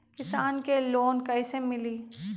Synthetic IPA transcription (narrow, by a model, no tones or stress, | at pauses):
kɪsaːnkeloːnkɐisemɪliː